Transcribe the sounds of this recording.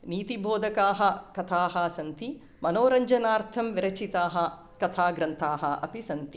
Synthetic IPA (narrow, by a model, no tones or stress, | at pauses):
niːt̪ibʱoːd̪ʱɐkaːɦɐkɐt̪ʰaːɦɐsɐnt̪i | mɐnoːɾɐɲd͡ʒɐnaːɾt̪ʰɐmʋiɾɐt͡ʃit̪aːɦɐ̆ | kɐt̪ʰaːɡɾɐnt̪ʰaːɦɐ̰ʔɐ̰pisɐnt̪i̥